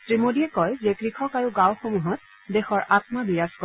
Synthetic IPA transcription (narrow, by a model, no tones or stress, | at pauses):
tɹimodiɛkɔjzekɹikʰɔkaɹʊɡawxomuɦɔt̚ | dexɔɹʔatmabijaskɔ